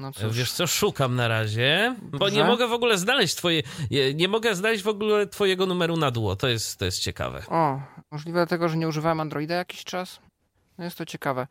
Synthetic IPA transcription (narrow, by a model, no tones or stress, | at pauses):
nɔsvvʲjɛʂt̪sɔʂukamnaɾaʑɛbɔɲɛmɔɡɛvɔɡulɛznalɛɕt͡ɕt̪fɔjɛɛɲɛmɔɡɛznalɛʑd͡ʑvɔɡulɛt̪fɔjɛɡɔnumɛɾunad̪wɔt̪ɔjɛst̪ːɔjɛst̪t͡ɕɛka̰vɛ̰ɔmɔʐlʲivɛd̪lat̪ɛɡɔʐɛɲɛuʐɨvawɛmand̪ɾɔid̪ajakʲiɕt͡ʂas | njɛst̪ːɔt͡ɕɛkavɛ